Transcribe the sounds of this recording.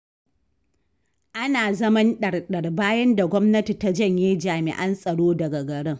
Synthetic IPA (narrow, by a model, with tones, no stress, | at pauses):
ʔa˦naː˨zɐ˦mɐ˦nɗɐ˨rɗɐ˨rbaː˦jɐ˦nda˨ɡʷɔ˦mnɐ˦ti˨ta˦d͡ʒɐ˦˨ɲjeː˦d͡ʒaː˨mɪ̰˨ʔɐ˦nsʼɐ˨ɽoː˦dɐ˨ɡa˨ɡɐ˨ɽɪ˦ŋ